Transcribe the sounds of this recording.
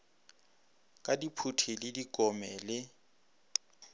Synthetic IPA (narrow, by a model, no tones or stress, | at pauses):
kʼadipʰutʰilɪdikʼɔmɛlɪ